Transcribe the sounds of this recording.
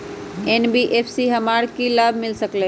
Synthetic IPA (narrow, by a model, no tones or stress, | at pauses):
eːnbiʔeːfʰsiɦɐmaːɽkilaːbʱmɪlsəkle